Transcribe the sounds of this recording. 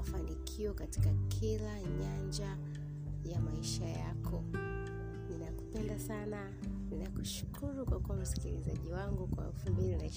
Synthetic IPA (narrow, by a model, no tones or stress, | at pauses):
fanikʰiɔkati̥kakʰilaɲand͡ʒa | jamaiʃajakʰɔ | ninaku̥pɛndasana | ninaku̥ʃu̥kʰuɾukwakuam̩si̥kilizaʄiwaŋɡukwaɛ̰lfumbilinaiʃ